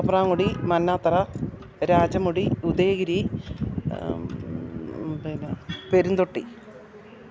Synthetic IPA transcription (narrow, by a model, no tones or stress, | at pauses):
ɐpraːŋuɽimɐnːaːt̪ːɐrɐ | ɾaːd͡ʑɐmuɽiud̪eːɣiɾi | peɾund̪oʈːḭ